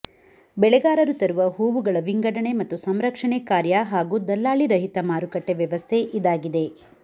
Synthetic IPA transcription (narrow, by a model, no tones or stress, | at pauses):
bɛɭɛɡaːɾɐɾut̪ɐɾuʋɐɦuːʋuɡɐɭɐʋiŋɡɐɽɐɳe̞mɐt̪ːusɐmɾɐkʂɐɳekaːɾjaɦaːɡuːd̪ɐlːaːɭiɾɐɦit̪ɐmaːɾukɐʈːeʋjɐʋɐst̪ʰeʔid̪aːɡid̪e̞